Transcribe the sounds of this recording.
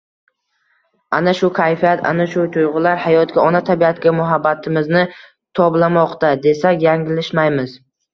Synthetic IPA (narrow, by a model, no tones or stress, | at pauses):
anaʃʊkʲʰajfijat̪ʰa̰naʃʊt̪ʰʊjʁʊlaɾhajɒt̪̚kʲaɒnat̪ʰabiat̪kʲamʊɦabːat̪ʰɪmɪznɪ | t̪ʰɒblamɒqt̪ad̪e̞sakʲjaŋɪlɪʃmajmɪz